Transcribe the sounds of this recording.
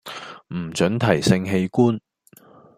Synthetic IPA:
m̩˨˩t͡ʃɵ˨˥nt̪ʰɐ˨˩jsɪ˧ŋɦe˧jkuː˥n

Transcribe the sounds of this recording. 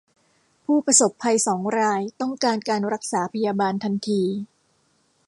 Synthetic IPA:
pʰuː˥˩pɾa˧so˨˩pʰːa˧jsɔː˩˦ŋɾaː˧jt̪ɔ˥˩ŋkaː˧nkaː˧nɾa˦˥k̚saː˩˦pʰa˧jaː˧baː˧nt̪ʰa˧nt̪ʰiː˧

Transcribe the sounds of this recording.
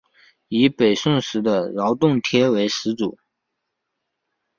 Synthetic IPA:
i˧˥pe˨˩ɪʂʊ˥˩ŋʂɻ̩˧˥d̪ə˧ɻɑ˧˥ʊt̪ʊ˥˩ŋt̪ʰjɛ˥we˧˥ɪʂɻ̩˧˥t͡su˨˩˦

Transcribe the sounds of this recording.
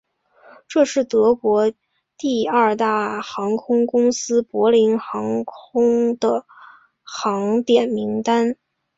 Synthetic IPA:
ʈ͡ʂɤ˥˧ʂɻ̩˥˩t̪ɤ˧˥kwɔ˧˥ | t̪i˥˧ɐ˞˥˩˧t̪a˥˩xɑ˧˥ŋkʰʊ˥ŋkʊ˥ŋsɹ̩˥pwɔ˧˥li˧˥nxɑ˧˥ŋkʰʊ˥ŋd̪̥ə˨ | xɑ˧˥ŋt̪jɛ˨˩nmi˧˥ŋt̪a˥n

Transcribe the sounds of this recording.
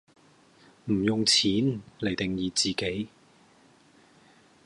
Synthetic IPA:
m̩˨˩jʊ˨ŋt͡sʰiː˨˥nle˨˩jt̪ɪ˨ŋjiː˨˧t͡siː˨ke˨˥j

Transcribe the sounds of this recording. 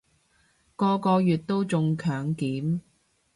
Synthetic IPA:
kɔː˧kɔː˧jyː˨˩t̚t̪o˥wt͡sʊ˧ŋkʰœː˨˥ŋkiː˨˥m

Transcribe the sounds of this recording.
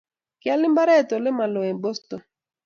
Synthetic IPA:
kɪ˨a˦lɪ˦mba˦ɾɛ˦˨to˨lɪ˦ma˨lo˨e˨bo˦stɔ˨

